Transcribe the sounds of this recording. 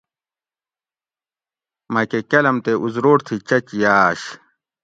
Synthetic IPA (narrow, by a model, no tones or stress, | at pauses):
mɐkekɐlɐmt̪eʔuzɾoːɾt̪ʰit͡ɕɐt͡ɕijaːɕ